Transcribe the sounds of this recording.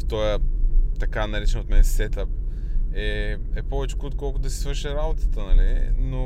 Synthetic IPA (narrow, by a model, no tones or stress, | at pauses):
ft̪ɔjət̪ɐkanɐɾit͡ʃɛnot̪mɛnɛsɛt̪əp̚ɛɛpɔvɛt͡ʃɛ̥kot̪̚kɔlˠkʊd̪ɐsi̥svəɾʃɛɾabot̪ə̥t̪ənɐlino